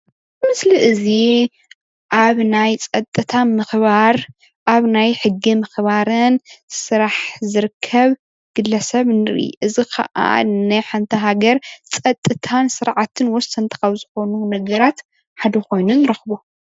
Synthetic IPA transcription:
mɨsliʔɨzi | ʔaβnajt͡sʼɐt̪ʼɨt̪ʰamɨxβaɾ | ʔaβnajħɨɡːimɨxβaɾɨnsɨɾaħzɨɾɨkʰːɐβ | ɡ̥ɨlːɐsɐβnɨɾḭʔɨzikʰɐ̰ʔa̰nɐħant̪ʰɐɦaɡɐɾt͡sʼɐt̪ʼːɨt̪ʰansɨɾʕat̪ʰɨnwɔsːɐnt̪ʰɨ̥kɐβzɨxo̞nunɐɡɐɾat̪ | ħad̪ɐko̞jnunɨɾɐxβu

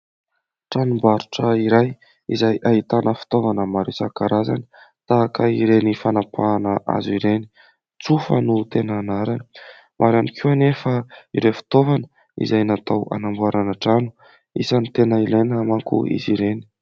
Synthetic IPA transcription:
ʈ͡ʂanumbaɾuʈ͡ʂəiɾaj | izajʔaɦit̪anəfi̥t̪ovanəmaɾesa̰kaɾaza̰ni̥ | t̪aakəiɾenifanapʰaːnəʔa̰zuiɾeni | t͡sufə̰nut̪enaːnaɾani̥ | mʔaɾanikʰuanefaḭɾefi̥t̪ovanə̥ | ḭzajnat̪awa̰nambuaɾanəʈ͡ʂanu̥ | isanit̪enəilejnamaŋkṵḭziɾeni̥

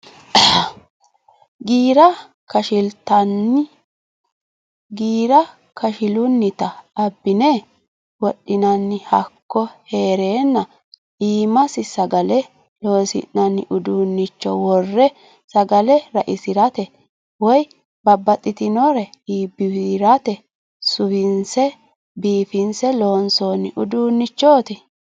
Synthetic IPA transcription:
ɡiːɾɐ | kɐʃɪlt̪ɐnːɪ | ɡiːɾɐ | kɐʃɪlʊnːɪt̪ɐːbːɪne | wɔɗːɪnɐnːɪhɐkːɔhe̞ːɾeːnːɐ | iːmɐsɪsɐɡɐlɛ | lo̞ːsɪ̰nnɐnːɪʔʊd̪uːnːɪt͡ʃːɔ̰wɔrːɛ | sɐɡɐlɛɾɐʔɪsɪɾɐt̪ɛ | wɔj | bɐbːɐt̪ʼːɪt̪ɪnɔɾɛiːbːɪwɾɐt̪ɛ | sʊwɪnsɛ | biːfɪnsɛlo̞ːnsoːnɪʔʊd̪uːnːɪt͡ʃːoːt̪ɪ

